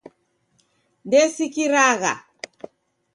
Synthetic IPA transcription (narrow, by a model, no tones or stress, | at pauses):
ndɛsikiɾaɣa̰